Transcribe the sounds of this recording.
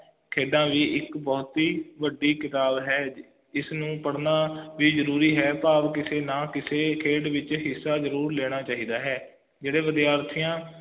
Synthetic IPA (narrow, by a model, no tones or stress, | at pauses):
kʰeːɖãːʋiːʔɪkbɔːt̪iːʋəɖːiːkɪt̪aːbɦɛː | ɪsnũːpəɽnaːʋiːzəɾuːɾiːɦɛːpaːʋkɪseːnãːkɪseːkʰeːɖʋɪt͡ʃɦɪsːaːzəɾuːɾleːɽ̃aːt͡ʃaːɦiːd̪aːɦɛː | d͡ʒeːɽeːʋəd̪ijaːɾt̪ʰɪjãː